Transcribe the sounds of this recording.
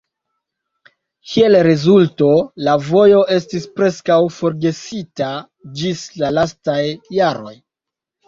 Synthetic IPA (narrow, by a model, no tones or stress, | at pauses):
kʰie̞lɾezulto̞lavo̞jo̞ʔe̞stispɾe̞skawfo̞ɾɡe̞sita | d͡ʒislalastajːaɾo̞̰j